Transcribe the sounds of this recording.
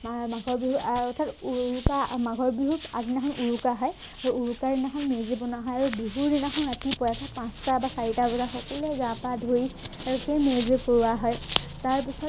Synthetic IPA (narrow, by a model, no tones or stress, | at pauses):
maɡʱɔɹbiɦuɔtʰatuupamaɡʱɔɹbiɦuta̰zinaxɔnʔuɹukaɦɔj | aɹuuɹukaɹinaxɔnmezibɔnaɦɔjaɹubiɦuɹninaxɔnɹatipɔjatʰapãstabasaɹitaɡɔzaxɔkɔluɛɡãpadʱoiaɹukemezekoɹuaɦɔjtaɹpisɔ